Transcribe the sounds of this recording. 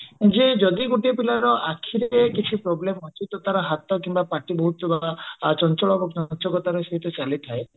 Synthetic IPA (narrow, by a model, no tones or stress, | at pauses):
d͡ʒed͡ʒɔd̪iɡoʈiɔpilaɾɔʔakʰiɾekit͡ʃʰipɾɔblemɔt͡ʃʰit̪ɔt̪aɾɔɦat̪ɔkimbapaʈibɔɦut̪ɔbat͡ʃɔnt͡ʃɔɭɔɾokɔt͡ʃɔkɔt̪aɾɔseɦit̪ɔt͡ʃalit̪ʰae